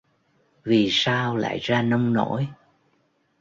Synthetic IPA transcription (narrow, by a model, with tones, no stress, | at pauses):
vi˨˩saː˧wla̰ː˧˨jzaː˧nə˧wŋ͡mno̰˧˥j